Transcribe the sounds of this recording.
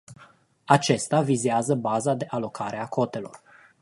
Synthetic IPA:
at͡ʃe̞st̪avizeazəbazad̪e̞ʔalo̞kʰaɾe̞akʰo̞t̪e̞lo̞r

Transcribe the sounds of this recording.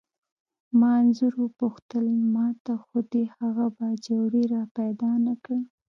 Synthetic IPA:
mɑnzuɾupʊxt̪əlmɑt̪axud̪ehaɣabad͡ʒawɽeɾɑpajd̪ɑnakɽi

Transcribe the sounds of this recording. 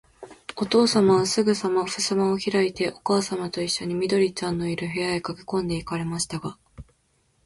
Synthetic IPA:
o̞t̪o̞ːsamaβasɨɡɯ̟samaɸɯ̟sɨmaoçiɾait̪e̞ʔo̞kaːsamat̪o̞iɕːo̞ɲ̟imʲid̪o̞ɾʲit͡ɕãnːo̞iɾɯ̟ɦe̞jaekakʲi̥kõ̞nd̪e̞ikaɾe̞maɕi̥t̪aɡa

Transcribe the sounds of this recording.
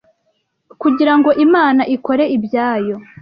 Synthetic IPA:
kuɟiɾaŋɡo̞ʔimaːnaʔiko̞ɾe̞ibjaːjo̞

